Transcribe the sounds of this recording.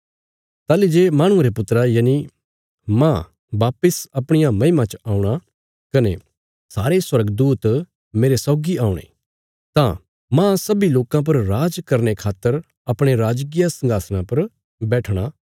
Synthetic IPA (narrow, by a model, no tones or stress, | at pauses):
t̪aːlid͡ʒeːmãːɽ̃ũɾepʊt̪ɾajaːni | mã | ʋaːpəsɐpɽ̃ɪjamɐ̃ɪmãt͡ʃaːũɽ̃a | kɐne | saːɾeswɐɾəɡd̪uːt̪ | meːɾesɔːɡiaːʊɽ̃ḛ̃ | t̪ã | mãsɐbiloːkãp̬ɐɾɾaːd͡ʒkɐɾnekʰaːt̪ːəɾ | ɐpɽ̃eɾaːd͡ʒk̬ɪjasɐ̃ŋɡaːsñãpɐɾ | bɛːʈʰɽ̃a